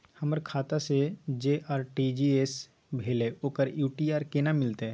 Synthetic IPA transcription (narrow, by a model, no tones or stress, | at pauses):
hɐməɾkʰaːt̪ased͡ʒeːʔaːɾʈid͡ʒieːs | bʱeːleoːkəɾjuːʈiaːɾkeːnamɪlt̪eɛ̃ː